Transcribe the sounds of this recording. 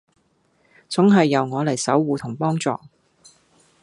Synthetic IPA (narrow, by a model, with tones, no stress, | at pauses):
t͡sʊ˨˥ŋɦɐ˨jːɐ˨wŋɔː˨˧lɐ˨˩jsɐ˨˥wːuː˨˧t̪ʰʊ˨˩ŋpɔː˥ŋt͡sɔː˨